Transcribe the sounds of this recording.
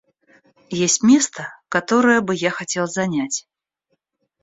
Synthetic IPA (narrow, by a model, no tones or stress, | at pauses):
jesʲtʲmʲest̪əkat̪ɔɾɨjəbɨjaxɐtʲelˠzɐnʲat͡sʲ